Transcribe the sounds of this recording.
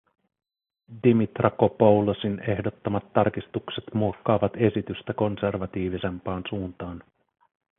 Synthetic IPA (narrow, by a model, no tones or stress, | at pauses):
dimit̪rʔɑkopo̞wlosine̞hdo̞t̪ːomɑt̪ːɑrkist̪ukse̞t̪muokːɑːʋɑt̪e̞sit̪yst̪æko̞nse̞rʋɑt̪iːʋise̞mpɑːnsuːnt̪ɑːn